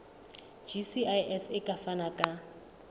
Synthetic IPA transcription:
d͡ʒisiajɛsɪkʼafanakʼa

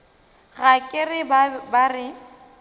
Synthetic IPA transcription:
ɣakʼɪrɪbbarɪ

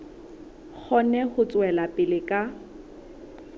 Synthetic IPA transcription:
k͡xʰɔnɛχʊt͡sʼwɛlapʼɪlɪkʼa

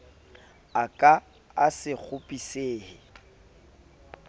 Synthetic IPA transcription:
akʼa | asɪk͡xʰʊpʼiseːhɪ

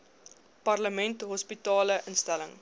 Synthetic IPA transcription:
pɐrləmɛntɦɔspitɑːləʔənstæləŋ

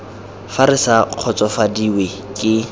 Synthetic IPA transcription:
faɾɪsaq͡χʰɔt͡sʼɔfadiwe | kʼɪ

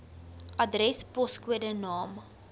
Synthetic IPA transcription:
ʔɐdrɛspɔskuədənɑːm

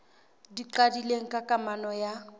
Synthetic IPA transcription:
diǃadileŋ̩kʼakʼamanɔja

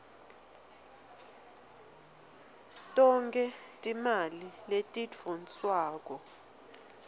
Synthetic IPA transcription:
tʼɔŋkʰʼɛtʼimaliletʼidvonswaːk̬ʼɔ

